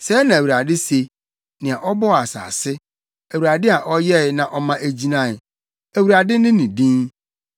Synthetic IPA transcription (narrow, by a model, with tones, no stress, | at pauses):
sɛ˨˦nã˨æ˨wu˨ɾa˨dɪ˦se˨˦ | nɪ̃˨ã˨ʔɔ˦bɔ˦˨a˨sa̰ː˨sɪ˦ | æ˨wu˨ɾa˨dɪ˦a˨ʔɔ˦jɛ˦ɪ˨nã˨ʔɔ˦mã˦ʔæ˨d͡ʑi˦nã˦˨ɪ˨ | æ˨wu˨ɾa˨dɪ˦nɪ̃˦nɪ̃˨dĩ˦ŋ